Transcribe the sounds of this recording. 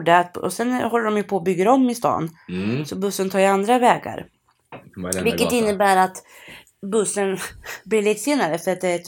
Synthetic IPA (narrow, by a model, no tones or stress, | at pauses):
ɖəat̪̚ɔ̰sɛnɦɔlːɖɔmjɵpʰɔːbʏɡːəɾɔmːɪst̪ɑ̰ːnsɔbɵsːənt̪ʰɑːjand̪ɾavɛːɡa̰ɾ | vɪkːət̪ɪnːəbæːɾat̪ | bɵsːənb̪iːliːt̪ːseːnaɾəfœɾat̪̚d̪ɛæ